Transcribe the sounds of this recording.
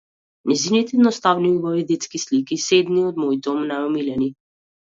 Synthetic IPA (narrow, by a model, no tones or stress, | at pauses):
nɛzinit̪ɛnɔst̪avniubavid̪et̪skislikised̪niɔd̪mojd̪omnaɔmilɛni